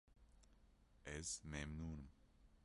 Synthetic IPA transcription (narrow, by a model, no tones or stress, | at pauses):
ɛz̥memnuːnm